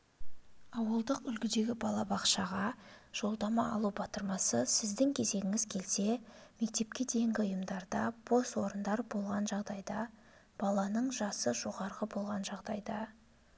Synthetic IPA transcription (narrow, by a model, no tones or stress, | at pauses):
ɑwəlˠd̪əqʏlɡʲɪd̪e̞ɡʲɪbɑlˠɑbɑqʃɑʁɑʒ̥o̞lˠd̪ɑmɑɑ̰lˠubɑt̪əɾmɑsəsɪzd̪ɪŋkʲʰe̞ze̞ɡʲɪŋɪz̥kʲʰe̞lse̞me̞k̚t̪e̞p̚kʲe̞d̪e̞jɪŋɡʲɪʊjəmd̪ɑɾd̪ɑb̥o̞swo̞ɾənd̪ɑɾbo̞lˠʁɑnʒɑʁd̪ɑjd̪ɑ | b̥ɑlˠɑnəɴʒɑsəʒo̞ʁɑɾʁəbo̞lˠʁɑnʒɑʁd̪ɑjd̪ɑ